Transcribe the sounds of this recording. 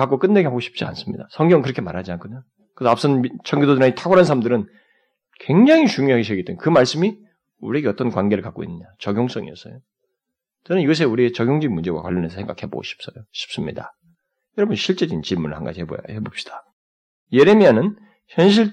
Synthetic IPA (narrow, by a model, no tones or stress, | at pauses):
kak͈ok͈ɯnːeɡeɦaɡoɕʰi̥p̚t͡ɕ͈ia̰ns͈ɯmɲḭdasʰʌŋɡjʌŋkɯɾʌkʰe̞maɾɦad͡ʑiankʰɯɲa | kɯsʰʌaps͈ʌnit͡ɕʰʌŋɡidoduɾaitʰaɡwaɾansʰaɾamdɯɾɯn | kwe̞ŋd͡ʑaŋit͡ɕuŋjoɦaɡeɕʰeɡet͈emkɯmaɭs͈ɯmi | uɾie̞ɡeʌt͈ʌnkwanɡe̞ɾɯɭkak͈o̰ḭnːɯɲat͡ɕʌɡʲjoŋs͈ʌŋḭʌs͈ʌ̰jo | t͡ɕʌnɯniɡʌs̬ʰe̞uɾiet͡ɕʌɡʲjoŋd͡ʑiimund͡ʑe̞ɡwa̰kwa̰ʎːʌnesʰʌsʰeŋɡa̰kʰe̞bo̰ɕʰi̥p̚s͈ʌjoɕʰi̥p̚s͈ɯmɲḭda | jʌɾʌbʌnɕʰiɭt͡ɕ͈e̞d͡ʑint͡ɕiɭmunɯɭhanɡa̰d͡ʑihebo̰ja̰he̞bop̚ɕ͈i̥d̥ḁ | je̞ɾemianɯn | çjʌnɕ̬ʰiɭ